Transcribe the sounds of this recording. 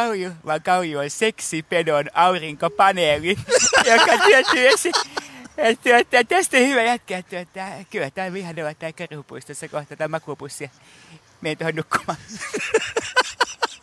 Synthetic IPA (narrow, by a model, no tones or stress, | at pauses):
ɑujuʋɑŋkɑujuonseksipenonɑuriŋkopɑnelijokːɑt̪yøt̪yːesi | et̪ːyøt̪ːææt̪æst̪ihyʋæjæt̪̚ket̪ːet̪ːæːkylhæt̪æːlihɑneʋɑt̪ːæikːærihupuist̪osːɑkoht̪ɑt̪ɑmɑkupusːiɑ | meint̪ohonnukːu̥mɑː